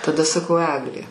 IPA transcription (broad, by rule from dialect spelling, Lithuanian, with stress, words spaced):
tɐˈdɐ sɐˈkɐʊ ˈæːɡlʲeː